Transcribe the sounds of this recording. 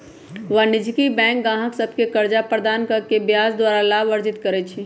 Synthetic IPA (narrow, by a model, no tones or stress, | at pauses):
ʋanɪd͡ʒkibɛ̃ːŋk̚ɡãːɦəksəb̚ʱkekəɾd͡ʒapɾəd̪aːnkəɾkebjaːzd̪waːɾalaːʋəɾd͡ʒɪt̪kəɾɛt͡ʃʰi